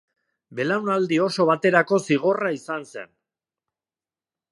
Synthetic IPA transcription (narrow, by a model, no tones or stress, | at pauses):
be̞lawnald̪io̞so̞β̞at̪e̞ɾako̞siɣ̞o̞raisanse̞̰n